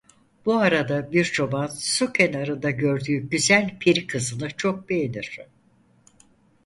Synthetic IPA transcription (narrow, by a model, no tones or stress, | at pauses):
b̥uaɾad̪abiɾt͡ʃʰo̞bansucʰenaɾɯnd̪aɟø̞ɾd̪yːɟyzælʲpʰiɾikʰɯzɯnɯt͡ʃʰo̞k̚be̞jeniɾ̥